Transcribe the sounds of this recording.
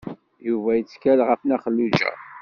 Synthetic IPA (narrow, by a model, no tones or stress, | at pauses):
juvæjət͡sːkælʁəfnæχəlːud͡ʒæ̰